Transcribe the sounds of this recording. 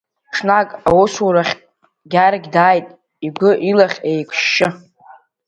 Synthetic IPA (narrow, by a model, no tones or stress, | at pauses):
ʈ͡ʂʰnakʼawʊsuɾaχʲ | ɡʲaɾɡʲdaːjtʼ | iɡʷɨʔilaχʲejkʷʼʰʃːɪ